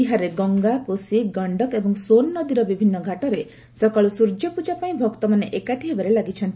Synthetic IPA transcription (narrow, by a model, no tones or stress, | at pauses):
iɦaɾeɡɔŋɡakosiɡɔɳɖɔkebɔŋsonːɔd̪iɾɔbibʱinːɔɡʱaʈɔɾe | sɔkaɭusuɾd͡ʒjɔpud͡ʒapaĩbʱɔkt̪ɔmaneʔekaʈʰiɦebaɾelaɡit͡ʃʰɔnt̪i